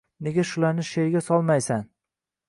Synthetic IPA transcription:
ne̞ɡʲaʃʊlaɾnɪʃe̞ɾɡʲasɒlˠmajsan

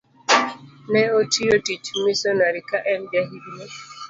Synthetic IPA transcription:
nɛotiotit͡ʃmisɔnaɾikaʔɛnd͡ʒaɦidne

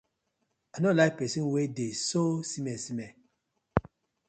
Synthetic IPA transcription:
anɔlajk̚pɛsĩnwedesosimɛsimɛ

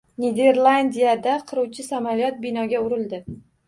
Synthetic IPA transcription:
ned̪e̞ɾlˠand̪ijad̪aqʰɨɾuwt͡ʃʰɪsamalijɒt̪̚bɪnɒɡʲaʊɾɪld̪ɪ

